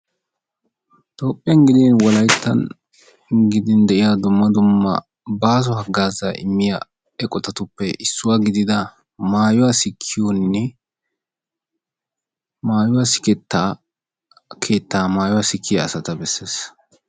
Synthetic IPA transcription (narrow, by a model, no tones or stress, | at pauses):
t̪ʼo̞ːpʼːɪjɐnɡɪd̪ɪnwɔlɐjt̪ːɐ̰n | ɡɪd̪ɪnd̪ɛʔɪjad̪ʊmːɐd̪ʊmːɐ̰ | baːs̬ɔɦɐɡaːzɐʔɪ̰mːɪja̰ | ɛkʼɔt̪ɐt̪ʊpːɛʔɪsːʊwaːɡɪd̪ɪd̪ɐ | maːjʊwasɪkʰːɪjonːɛ | maːjʊwaːsɪ̥kɛt̪ːaː | kʰe̞ːt̪ːaːmaːjʊwaːsɪkʰːɪjɐːsɐt̪ɐbɛsːe̞ːs